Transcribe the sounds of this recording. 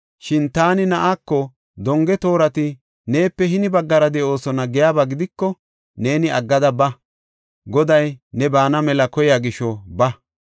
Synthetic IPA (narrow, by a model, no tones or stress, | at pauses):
ʃɪnt̪aːnɪnɐʔakːɔ | d̪ɔŋɡɛt̪o̞ːɾɐt̪ɪ | ne̞ːpːɛhɪnɪbɐɡːɐɾɐd̪ɛʔo̞ːsɔnɐɡɛjaːbaɡɪd̪ɪkːɔ | ne̞ːnɪɐɡːɐd̪ɐbɐ | ɡɔd̪ɐjnɛbaːnɐmɛlɐkɔjaːɡɪʃːɔbɐ